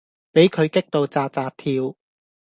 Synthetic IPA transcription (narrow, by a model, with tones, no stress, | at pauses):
pe˨˥jkʰɵ˨˧ɥkɪ˥k̚t̪o˨˧wt͡saː˧t͡saː˧t̚t̪ʰiː˧w